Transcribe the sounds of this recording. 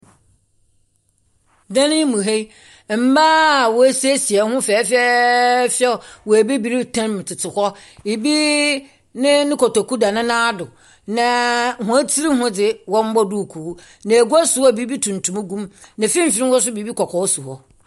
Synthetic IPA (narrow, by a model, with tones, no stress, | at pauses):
dã˦nɪ̃˦mũ˨ɦe˦˨ | m̩˨baː˦˨wɔ˨æ˦se˦si˨ɛ˨hʊ̃˦fɛː˨˦fɛ˦fɛ˦˨wɔ˨æ˨bi˦bi˨ɾi˦tʰã˦m˨tʰɪ˨tʰɪ˨hɔ˦ | e˨bi˦ | nɪ̃˦nɪ̃˦kɔ˨tɔ˨ku˦da˨nɪ̃˦nãː˦dʊ˨ | nã˨hʊ̃˨˦æ˦tʰi˦ɾi˦ɦʊ̃˦d͡zɪ˨wɔ̃˦m˦bɔ˦du˦˨kʰu˨˦ | nã˨ɡu˦a˦sʊ˨˦ɔ˦˨bi˦bi˦tʰũ˨n̩˨tʰũ˨mã˦ɡũ˦mnã˨fĩ˦m̩˨fɪ˦ɾɪ̃˦wɔ˦s̬ʊ˦bi˨bi˦kʰɔ˨kʰɔ˨˦su˨hɔ˦